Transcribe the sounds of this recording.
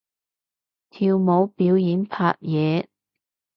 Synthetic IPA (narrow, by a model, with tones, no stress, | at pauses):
t̪ʰiː˧wmo˨˧˥wpiː˨˥wjiː˨˥npʰaː˧˥t̚jɛː˨˧